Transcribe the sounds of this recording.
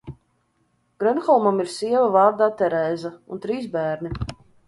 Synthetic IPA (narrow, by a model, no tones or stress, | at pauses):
ɡ̥ɾɛnxɔlˠmamiɾsiɛvavaːɾd̪aːt̪ɛɾɛːzaunt̪ɾiːsbæːɾnʲi